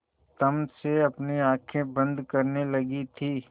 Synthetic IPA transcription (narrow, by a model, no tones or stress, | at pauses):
t̪ɐmseɐpniaːkʰẽbɐ̃nd̪kɐɾnelɐɡit̪ʰiː